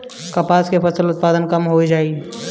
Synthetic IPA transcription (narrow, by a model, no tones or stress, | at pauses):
kəpaːskepʰəsəlʊt̪̚paːd̪ənkəmɦoid͡ʒaːi